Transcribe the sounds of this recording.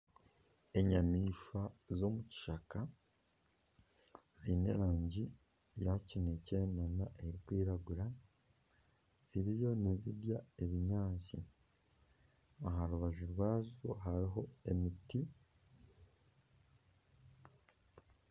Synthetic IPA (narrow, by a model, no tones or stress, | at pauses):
e̞ɲamiːʃwazo̞muci̥ʃaka | zine̞̰ɾaːɲɟi | jacine̞ce̞ːndanaʔe̞ɾikwiːɾaɡuɾa | z̥iɾijo̞nezidjae̞βiɲaːɲsi | aɦaɾuβaʒuɾwaːzoɦaɾiɦo̞e̞miti